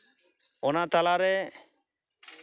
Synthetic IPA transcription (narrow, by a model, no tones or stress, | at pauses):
ɔnat̪alaɾɛ